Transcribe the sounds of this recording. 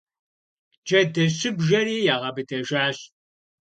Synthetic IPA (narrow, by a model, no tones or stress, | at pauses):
d͡ʒɐdɐɕɪbʒɐɾiːjaːʁɐbɨtʰɐʒaːɕ